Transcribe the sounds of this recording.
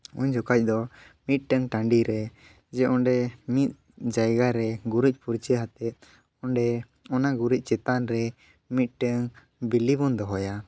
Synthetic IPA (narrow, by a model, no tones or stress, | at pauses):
ṵɲd͡ʒɔkac̚ˀd̪ɔ | mit̪̚ʈəŋʈaɳɖiɾɛ | d͡ʒɛʔɔɳɖɛmit̪̚ | d͡ʒajɡaɾɛɡuɾic̚ˀpuɾt͡ʃəɦat̪ɛt̪̚ | ɔɳɖɛ | ɔnaɡuɾic̚ˀt͡ʃɛt̪anɾɛ | mit̪̚ˀʈəŋ | bilibɔnd̪ɔɦɔja